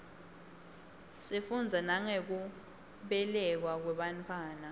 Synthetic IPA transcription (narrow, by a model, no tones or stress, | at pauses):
sifund͡zʱanaŋek̬u | ɓɛlɛk̬wak̬wɛɓantʰwaːna